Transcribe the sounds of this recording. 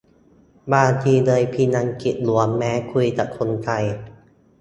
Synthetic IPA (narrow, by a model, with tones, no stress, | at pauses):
baː˧t͡ɕʰiː˧dɤː˧jpʰiː˧na˧ŋki˨˩t̪̚lu˩˦əmːɛː˦˥kʰu˧jt̪a˨˩kʰo˧nkʰa˧j